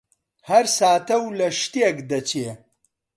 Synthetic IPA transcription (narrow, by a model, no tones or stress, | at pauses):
hɐɾsaːt̪ɐwlɐʂt̪eɡd̪ɐt͡ɕe